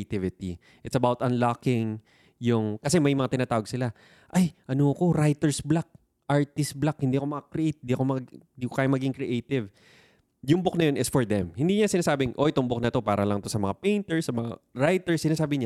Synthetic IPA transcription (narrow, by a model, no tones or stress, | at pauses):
t̪ɪvɪt̪ḭ | ʔɪt̪sɐbawt̪ɐ̃nlakɪŋ | jʊŋkɐsɛmɐjmɐŋat̪ɪnaːt̪aːwɐɡsɪla | ʔajʔɐnoko̞ɾajt̪ɛɹsblak̚ | ʔaɹt̪ɪst̪̚blakhɪnd̪iːɐkomɐkɐkɾɪʔet̪̚nd̪iːɐko̞mɐɡnd̪iːkokaːjʊmɐɡɪɡɪŋkɾɪʔejt̪ɪv | jʊŋbok̚nɐjo̞nɪsfɔɹd̪ɛmhɪnd̪iːɲasɪnaːsaːbɪŋʔo̞ʔɪt̪ombok̚nɐt̪o̞paːɾɐlɐŋt̪o̞sɐmɐŋapejnt̪ɛɹsːɐmɐŋa̰ɹajt̪ɛɹsːɪnaːsaːbɪɲa